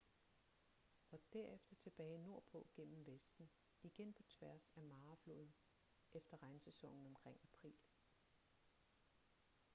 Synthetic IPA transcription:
ɒ̽d̥æɐ̰efd̥ɐt͡sʰe̝b̥ɛːɪno̝ɐ̰b̥ʰo̰ɡ̥en̰m̩ʋesd̥n̩ | iɡ̥enpʰɒ̽t͡sʰʋæɐ̰sæmɑ̈ːflo̝ːðˠn̩ | ʔefd̥ɐʁɑ̈ɪnsesɒ̽ŋ̰n̩ɒ̽mkʰʁeŋ̰æpʰʁḭːl

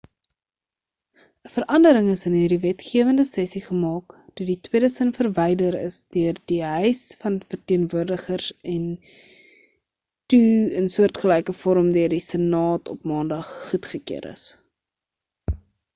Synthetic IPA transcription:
əfəɾʔɐndəɾəŋəsənɦiːrdivɛtχiəvəndəsɛsiχəmɑːktuditwiədəsənfərvɛjdəɾə̰sdøərdiɦœjsfɐnfərtiənvuərdəχərsɛn | tuənsuərtχəlɛjkəfɔɾəmdøərdisənɑːtɔpmɑːndɐχːutχəkḭəɾʔə̰s

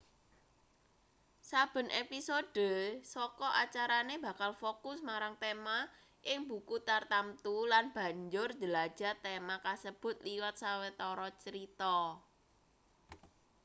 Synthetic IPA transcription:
sab̥ə̤nʔepisoɖ̥ə̤sɔkɔʔat͡ʃaɾaneb̥a̤kalfokʊsmaɾaŋt̪ema | ʔɪŋbukut̪art̪amt̪ulanb̥a̤ɲd͡ʒʊr̥d͡ʒəlḁʒ̥a̤t̪emakasəb̥ʊ̤t̪̚liwat̪̚sawet̪ɔɾɔt͡ʃəɾit̪ɔ

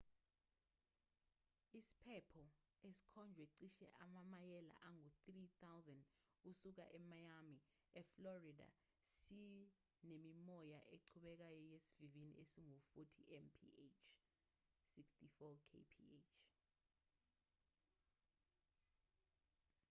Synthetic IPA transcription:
isi̥pʰɛpʰɔ | esi̥kʰɔnd͡ʒʱwɛǀiʃɛ̰ʔamamajɛla̰ʔaŋuθrit̪awzand | usuk̬a̰ʔɛmajami | ɛflɔrida̰ | si | nemimɔjaʔeǀʰuɓɛk̬ajɔjesivivinḭʔesiŋufutʰḭʔɛnpʰḭet͡ʃʰ | sikstʰifɔkʰḛpʰḭet͡ʃʰ

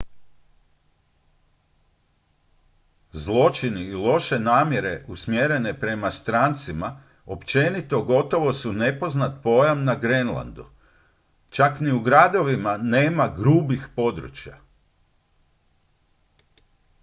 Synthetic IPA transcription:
zlˠo̞t͡ʃiniːlˠo̞ʃe̞naːmje̞ɾe̞ʔusmjeɾe̞ne̞pɾe̞mast̪ɾaːnt̪sima | o̞pt͡ʃe̞nit̪o̞ɡo̞t̪o̞ʋo̞sune̞po̞znat̪̚po̞jamnaɡɾenlˠa̰nd̪u | t͡ʃakniuɡɾad̪o̞ʋimaneːmaɡɾuːbixpo̞d̪ɾṵt͡ʃja̰

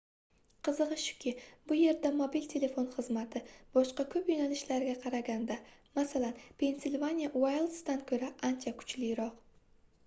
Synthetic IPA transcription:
qʰɨzɨʁɨʃʊ̥kʲʰɪbʊje̞ɾd̪amobilt̪ʰe̞le̞fo̞nχɨzmat̪ʰɪb̥ɒʃqɑkʰɵpjonalɪʃlaɾɪɡʲaqʰɑɾaɡʲand̪amasalanpʰe̞nsɪlʲvanʲijawajlˠsd̪ankʲʰɵɾaʔant͡ʃʰakʰʊ̥t͡ʃlɪjɾɒq

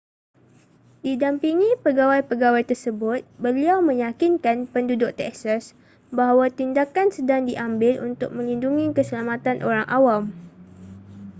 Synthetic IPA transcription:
didampiŋĩpəɡawajpəɡawajt̪ərsəbʊt̪̚bəliawmə̃ɲakinkanpəndudʊk̚t̪ɛ̰ksas | baɦawat̪indakansədaŋdiʔambɪlṵnt̪ʊ̰k̚mə̃linduŋikəsəlamat̪anʔoɾaŋʔawam

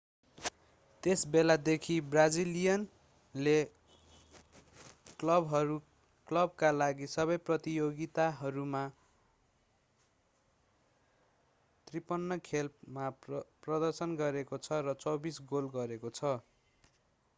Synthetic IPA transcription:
t̪esbelad̪ekʰibrad͡zilijʌn | le | klʌbɦʌɾu | klʌb̚kalaɡisʌβʌjprʌt̪ijoɡit̪aɦʌɾuma | t̪ripʌnːʌkʰelpmaprʌd̪ʌrsʌnɡʌɾekot͡sʰʌrʌt͡sʌwbisɡolɡʌɾekot͡sʰʌ

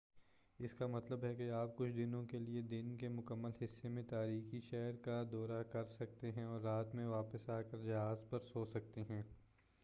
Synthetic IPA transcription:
ɪskamɐt̪ləbɦɛkeaːp̚kʊt͡ʃʰd̪ɪnõkelied̪ɪnkemʊkəmːəlɦɪsːemẽt̪aːɾiːxiʃɛːɾkad̪ɔːɾakɐɾsɐk̚t̪eɦɛ̃ɔːɾːaːt̪mẽʋaːpəsaːkəɾd͡ʒɐɦaːzpɐɾsoːsɐk̚t̪eɦɛ̃ː

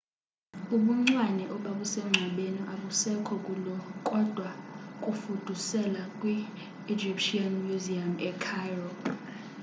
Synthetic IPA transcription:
uɓuŋ͡ǀwanɛʔɔɓaɓusɛŋ͡ǀʱaɓenuʔaɓusɛkʰɔkʼulɔkʼɔd̥ʱwakʼufud̥ʱusɛlakʼwiː | d͡ʒipʃianmuziamɛkʰajrɔ

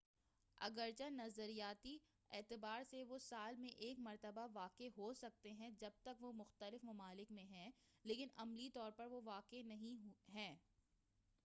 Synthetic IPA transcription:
ɐ̰ɡəɾt͡ʃanɐzəɾijaːt̪i | ɛːt̪ɪbaːɾseʋosaːlmẽʔeːkmɐɾt̪əbaʋaːkeɦosɐk̚t̪eɦɛ̃d͡ʒɐb̚t̪ɐkʋomʊxt̪əlɪfmɐmaːlɪkmẽɦɛ̃leːkɪnɐmlit̪ɔːɾpɐɾʋoʋaːkenɐɦĩɦɦɛ̃ː

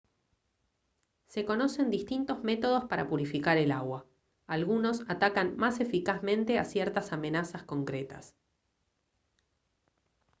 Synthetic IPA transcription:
se̞ko̞no̞se̞nd̪ist̪int̪o̞zme̞t̪o̞ð̞o̞spaɾa̰puɾifikaɾe̞laɣwa | alɣuno̞sat̪akanmase̞fikazmẽ̞nt̪e̞a̰sjeɾt̪asamẽ̞nasasko̞ŋkɾet̪a̰s

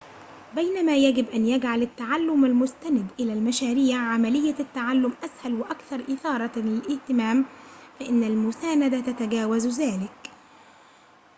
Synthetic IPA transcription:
bajnamaːjaɡɪbʔanjaɡʕalat̪ːaʕalːʊmalmʊst̪anɪd̪ʔɪlaːlmaʃaːɾiːʕʕamalɪjːat̪ːaʕalːʊmʔashalwɪʔakθɑɾˤʔɪθɑːɾˤɑlɪlʔɪht̪ɪmaːmfaʔɪnːalmʊsaːnad̪at̪at̪aɡaːwazðaːlɪk

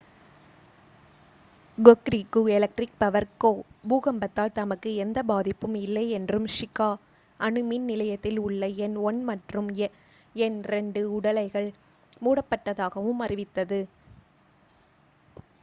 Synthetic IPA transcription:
ɡɔkɾikːuɛlɐk̚ʈrɪk̚pɐʋɐɾkoːbuːɣɐmbɐt̪ːaːlt̪ɐmɐkːɯɛnd̪ɐbaːðɪpːɯmɪlːɐɪɛndrɯmʂɪkːaː | ʔɐnɯminnɪlɐjɐt̪ːɪlʊɭːɐɛnɔɳmɐʈrɯm | ɛnɾɛɳɖɯʊɽɐlɐɪɣɐɭ | muːɽɐpːɐʈːɐðaːɣɐʋɯmɐrɪʋɪt̪ːɐðɯ

